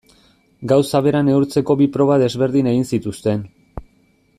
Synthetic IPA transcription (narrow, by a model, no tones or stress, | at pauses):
ɡawsaβe̞ɾane̞uɾt͡se̞ko̞βipɾo̞βaðe̞zβe̞ɾðine̞ɣinsit̪ust̪e̞n